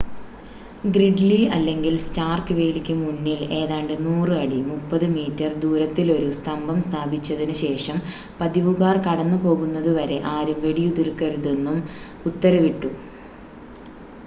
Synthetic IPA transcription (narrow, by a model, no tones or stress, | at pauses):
ɡriɖliɐlːe̞ŋɡilstaːrkɨʋe̞ːlikʲːumunːile̞ːðaːɳɖɨnuːrɨɐɽimupːɐðɨmiːtːɐrd̪uːɾɐt̪ːilo̞ɾust̪ʰɐmbʱɐmst̪ʰaːbʱit͡ɕːɐðinɨɕe̞ːʂɐm | pɐðiʋuɣaːrkɐɽɐnːupo̞ːɣunːɐðuʋɐɾe̞ʔaːɾumʋeɽijud̪irkːɐɾuðe̞nːum | ut̪ːɐɾɐʋiʈːu